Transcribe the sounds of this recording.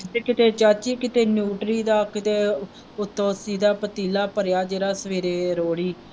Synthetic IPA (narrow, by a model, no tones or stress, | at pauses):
ekɪt̪eːt͡ʃaːt͡ʃiːkɪt̪eːnjuːʈɾiːd̪aːkɪt̪eː | ʊt̪ʰːõːsiːd̪aːpət̪iːlaːpəɾjaːd͡ʒeːɾaːsəʋeːɾeːɾoːɽiː